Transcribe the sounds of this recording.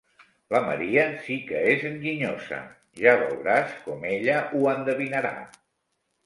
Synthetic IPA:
ləmə̰ɾiəsikəezəŋɡiɲozə̰ | ʒaβə̰lɾaskɔmeʎəʔuənd̪əβinəɾa̰

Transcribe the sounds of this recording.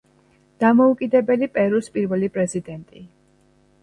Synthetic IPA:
d̪̥amɔukʼid̪ɛbɛlipʼɛɾuspʼiɾvɛlipʼɾɛzid̪ɛnt̪ʼi

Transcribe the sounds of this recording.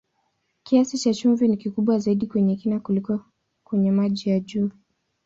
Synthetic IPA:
kiasit͡ʃat͡ʃuɱvinikikuɓwazaiɗikwɛɲɛkinakulikɔ | kwɛɲɛmaʄijaʄuː

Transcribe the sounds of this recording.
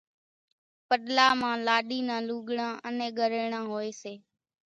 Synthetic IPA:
pəɗlaːmãːlaːɗiːnãːluːɠɳãːʔənẽːɠəɾːɳãːɦoːeːseː

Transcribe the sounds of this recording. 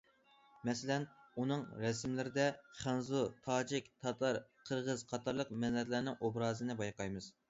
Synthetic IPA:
mɛsɪlɛnunɨŋɾɛsmlɪɾɪd̪ɛχɑnzut̪ʰɑːd͡ʒikʲt̪ʰɑt̪ʰɑɾqʰəɾʁəz̥qʰɑt̪ʰɑɾlˠəqmɛnɛt̪læɾnɪŋʔobɾɑːzɨnɨbɑjqɑjmɨz

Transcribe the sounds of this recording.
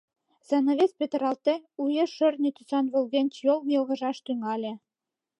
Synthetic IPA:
z̥enoβʲet͡spʲet̪̆ɾɑlt̪eujeʃø̆rnʲet̪usɑnβɘ̆lɣenʲt͡ɕjolˠmjɤ̆lˠɣɤ̆ʒɑʃt̪yŋɑlʲĕ

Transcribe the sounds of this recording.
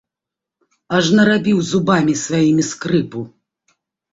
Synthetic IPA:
ɐʐnɐɾabʲiwzubamʲisvajimʲiskɾɨpu

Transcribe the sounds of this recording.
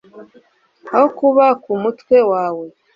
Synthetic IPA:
ahokuβakumutwe̞waːwe̞

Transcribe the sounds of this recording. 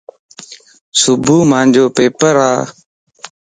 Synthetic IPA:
sʊbʱuːmãːnd͡ʒʱoːpeːpəɾaː

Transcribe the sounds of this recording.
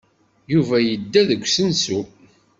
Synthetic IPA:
juvæjəd̪ːæðəɡʷsənsu

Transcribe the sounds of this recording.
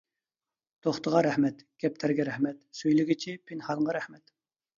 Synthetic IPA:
t̪ʰoχt̪əʁɑɾæhmɛt̪ɡ̥ʲɛp̚t̪ʰæɾɡʲɛɾɛhmɛt̪søjlɪɡʲit͡ʃʰipʰinhɑlˠʁɑɾɛhmɛt̪

